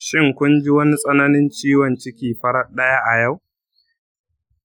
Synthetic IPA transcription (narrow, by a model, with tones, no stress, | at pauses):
ʃɪ˦ŋkʷʊ˦nd͡ʒɪ˦wɐ˦ni˦sʼɐ˦nɐ˦nɪ˦nt͡ʃiː˦wɔ˨nt͡ʃɪ˦kʲiː˨ɸɐ˦ɾɐ˦ɗɐ˦ja˦ʔa˨ja˦˨w